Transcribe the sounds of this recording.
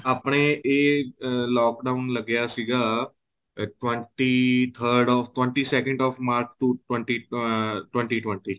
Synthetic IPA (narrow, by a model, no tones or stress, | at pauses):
apɽ̃eʔe | lɔːkɖaunləɡjasiɡa | ʈʋə̃ɳʈit̪ʰəɾɖɔfʈʋə̃ɳʈisekə̃ɳɖɔfmaɾt͡ʃt̪uʈwə̃ɳʈiʈwʋə̃ɳʈiʈʋə̃ɳʈi